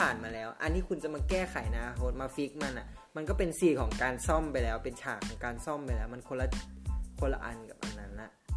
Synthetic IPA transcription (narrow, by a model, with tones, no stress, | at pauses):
aː˨˩nmaː˧lɛː˦˥wʔa˧nːiː˦˥˩kʰu˧nt͡ɕa˧˩maː˧kɛː˥˩kʰa˨˩˦jnaː˦˧kʰo˦˥t̪̚maː˧fi˦˥k̚ma˧nʔa˨˧˩ | ma˧nkɔ˥˩pe˧nsiː˧˩kʰɔː˩˦ŋkaː˧nsɔ˥˩mpa˧jlɛː˦˥wpe˧nt͡ɕʰaː˨˩kʰɔː˩˦ŋkaː˧nsɔ˥˩mpa˧jlɛː˦˥wma˧nkʰo˧nla˧˨˧kʰo˧˥nla̰˧ʔa˧nka̰˨˩p̚ʔa˧nːa˦˥nla˨˧˩